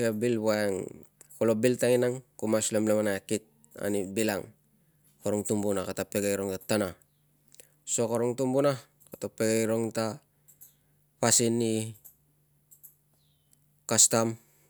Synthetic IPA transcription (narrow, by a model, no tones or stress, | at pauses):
abilbaeŋkolobiltaŋinaŋkumaslemlemanaekit̚ | a̰nibilaŋ | koɾoŋtumbunakatapeɡajɾoŋtatana | so̞koɾoŋtumbuna | katapeɡajɾoŋta | pasinːi | kastam